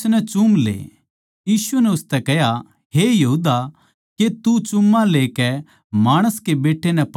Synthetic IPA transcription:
nɛt͡ʃumlḛː | jiːsunɛʊst̪ɛkɛɦja | ɦejɐɦuːd̪a | ket̪ut͡ʃʊmːãleːkɛ | maːɽ̃əskebeːʈʰːenɛp

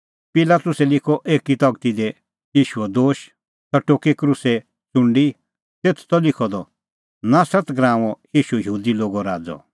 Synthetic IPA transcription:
pɪlaːt̪ʊsɛlɪkʰɔʔeːkit̪ɔɡt̪id̪ɛ | jiːʃuɛd̪oːʃ | t̪ɐʈoːkikɾusɛ | t͡sʊ̃ɳɖi | t̪eːt̪ʰt̪ɔlɪkʰɔd̪ɔ | nasɐt̪ɡɾãːɔ̃jiːʃuɛjɦuːd̪iloːɡɔɾaːd͡zɔ̰

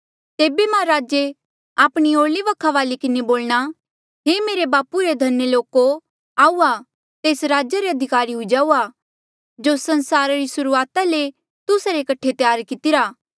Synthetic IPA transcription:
t̪eːbemɛ̃ɾaːd͡ʒe | aːpɽ̃ioːɾliʋɐkʰːaʋaːlikɪneboːlɽ̃a | ɦemeːɾebaːpuɾed̪ʱɐnːeloːko | aːua | t̪eːsɾaːd͡ʒaɾeɐd̪ʱɪkaːɾiɦʊid͡ʒaːua | d͡ʒosɐ̃nsaːɾaɾisʊɾuaːt̪ale | t̪ʊsaɾekɐʈʰet̪jaːɾkɪt̪ɪɾaː

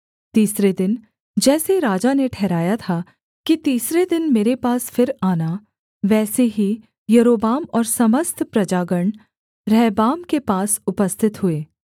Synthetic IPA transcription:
t̪iːsɾed̪ɪn | d͡ʒɛːseɾaːd͡ʒaneʈʰɛɦɾaːjat̪ʰa | kit̪iːsɾed̪ɪnmeːɾepaːsfɪɾaːna | ʋɛːseɦi | jɐɾoːbaːmɔːɾsɐməst̪ʰpɾɐd͡ʒaːɡəɳ̃ | ɾɛːbaːmkepaːsʊpəst̪ʰɪt̪ɦʊeː

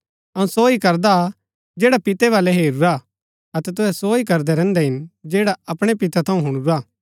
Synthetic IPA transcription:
ɐũsoːikɐɾd̪a | d͡ʒeːɽapɪt̪ɛβaːlɛɦeːɾuɾa | ɐt̪ɛt̪ʊɦɛsoːikɐɾd̪ɛɾɛ̃ːnd̪ɛɦɪnd͡ʒeːɽaɐpɽ̃epɪt̪at̪ʰɐ̃ũɦʊɽ̃uɾaː

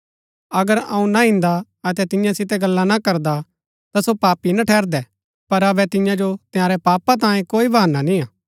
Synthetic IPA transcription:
ɐɡəɾɐ̰̃ũnaɦɪ̃nd̪a | ɐt̪ɛt̪ɪ̃jãsɪt̪ɛɡɐlːanakɐɾd̪a | t̪asopaːpinaʈʰɛːɾd̪ɛ | pɐɾɐbɛt̪ɪ̃jãd͡ʒot̪ɪjaːɾɛpaːpat̪̬ãːjẽkoːibɐaːnanĩaː

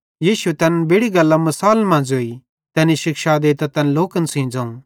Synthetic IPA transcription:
jiːʃuet̪ɐnbeːɽiɡɐlːamɐsaːlmãːnd͡ʒɦoːi | t̪ɛːniʃɪkʃad̪eːt̪at̪ɐnloːkənsĩːd͡zãːũ

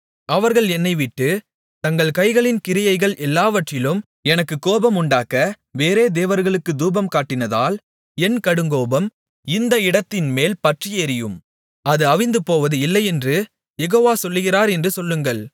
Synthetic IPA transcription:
ɐʋɐɾɣɐɭɛnːɐɪʋɪʈːɯ | t̪ɐŋɡɐɭkɐɪɣɐɭɪnkɪɾɪjɐɪɣɐɭʔɛlːaːʋɐʈrɪlɯm | ɛnɐkːɯkːoːbɐmʊɳɖaːkɐ | ʋeːɾeːd̪eːʋɐɾɣɐɭɯkːɯd̪uːbɐmkaːʈːɪnɐða̰ːl | ɛnkɐɽɯŋɡoːbɐm | ɪnd̪ɐɪɽɐt̪ːɪnmeːlpɐʈrɪjeɾɪjɯm | ɐðɯɐʋɪnd̪ɯpoːʋɐðɯɪlːɐɪɛndrɯ | jɛɣoːʋaːsɔlːɯɣɪraːɾɛndrɯsɔlːɯŋɡɐɭ

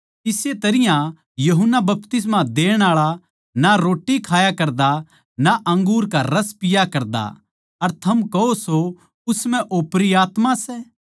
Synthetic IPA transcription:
ɪset̪ɐɾɪjã | jɐɦʊnːabɐpt̪ɪs̬mãd̪eːɽ̃aːɭa | naɾoːʈːikʰaːjakɐɾd̪a | naʔɐ̃ŋɡuːɾkaɾɐspɪjakɐɾd̪a̰ | ɐɾt̪ʰɐmkɐɦoso | ʊsm̤ɛ̃ʔoːpɾiaːt̪mãsɛː

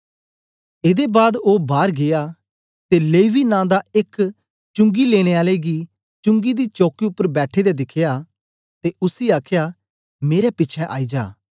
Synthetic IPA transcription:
eːd̪ebaːd̪oːbaːɾɡeaː | t̪eleːʋinãːd̪aɪk | t͡ʃʊ̃ŋɡileːɽ̃ẽːaːleɡi | t͡ʃʊ̃ŋɡid̪it͡ʃoːkiʊpːəɾbɛːʈʰed̪ɛd̪ɪkʰɪjaː | t̪eʔʊsiːaːkʰjaː | meːɾɛpɪːt͡ʃʰɛʔa̰ːid͡ʒa̰ː

